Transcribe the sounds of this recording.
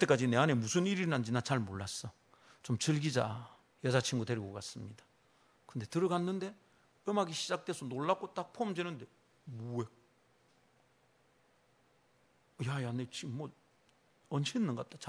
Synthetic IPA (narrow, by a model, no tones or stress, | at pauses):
kɯt͈e̞k͈ad͡ʑine̞ane̞musʰɯniɾiɾinand͡ʑinat͡ɕaɭmoɭːas͈ʌ | t͡ɕomt͡ɕɯɭɡid͡ʑa | jʌd͡ʑat͡ɕʰiŋɡute̞ɾiɡʌk͈as͈ɯmɲid̥ḁ | kɯnde̞tɯɾɯɡanːɯnde̞ | ɯmaɡiɕʰid͡ʑak̚t͈we̞sʰʌnoɭːak͈ot͈ak̚pʰomd͡ʑenɯnde̞ | mue̞ | jajanet͡ɕiːʌt̚ | ʌnɕʰenːɯŋɡap̚t͈at͡ɕa